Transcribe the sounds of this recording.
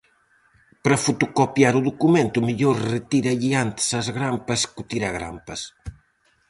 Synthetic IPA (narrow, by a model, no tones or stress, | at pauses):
pɾɐfut̪ukopjaɾuðukumẽnt̪umiʎoɾret̪iɾɐʎiant̪sɐzɣɾampɐskut̪iɾaɣɾa̰mpɐs